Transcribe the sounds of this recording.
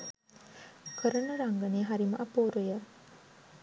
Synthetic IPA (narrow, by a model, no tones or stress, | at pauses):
kʰəɾənəɾaŋɡəneːɦaɾimɐ̰ʔɐpoːɾujə